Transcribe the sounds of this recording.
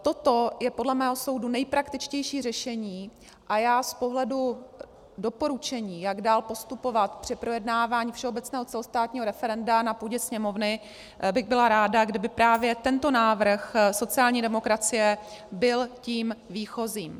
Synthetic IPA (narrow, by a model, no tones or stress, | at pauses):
t̪o̞t̪o̞jɛpodlɛmɛːɦo̞so̞wdunɛjpɾakt̪ɪt͡ʃcɛjʃiːr̝ɛʃɛɲiː | ʔajaːspo̞ɦlɛdu | do̞po̞ɾut͡ʃɛɲiːjaɡdaːlpo̞st̪upo̞vat̪pr̥ɪpɾo̞jɛdnaːvaːɲiːfʃɛo̞bɛt̪t͡snɛːɦo̞t͡sɛlost̪aːt̪ɲiːɦo̞ɾɛfɛɾɛndanapuːɟɛsɲɛmo̞vnɪ | bɪɣbɪlaɾaːdaɡdɪbɪpɾaːvjɛt̪ɛnt̪o̞naːvr̩xso̞t͡sɪaːlɲiːdɛmo̞kɾat͡sɪjɛbɪlciːmviːxo̞ziːm